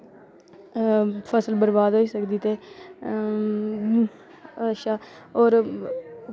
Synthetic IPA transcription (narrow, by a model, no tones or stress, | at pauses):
pʰəsəlbəɾbaːd̪ɦoːiːsəkd̪iːt̪eː | ʃaː | oːɾ